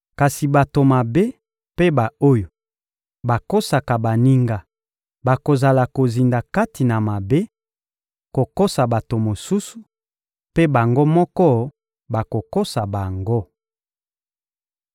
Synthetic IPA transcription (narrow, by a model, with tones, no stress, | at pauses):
ka˨si˨ba˨to˨ma˨be˦ | pe˦ba˨o˦jo˨ | ba˨ko˦sa˨ka˨ba˨ni˦ŋɡa˦ | ba˨ko˨za˨la˨ko˨zi˨nda˨ka˦ti˨na˨ma˨be˦ | ko˨ko˦sa˨ba˨to˨mo˨su˦su̥˨ | pe˦ba˨ŋɡo˦mɔ˦kɔ˦ | ba˨ko˨ko˦sa˨ba˨ŋɡo˦